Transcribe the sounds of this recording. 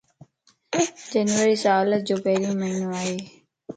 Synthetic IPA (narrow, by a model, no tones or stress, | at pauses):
d͡ʑənʋəɾiːsaaːləd͡ʑoːpɛɦlimənuaːɦeː